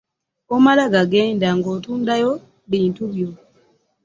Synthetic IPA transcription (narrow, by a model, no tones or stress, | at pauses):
omalaɡaɡe̞ːndaŋɡo̞ːtuːndajo̞ | βiːntuβjo̞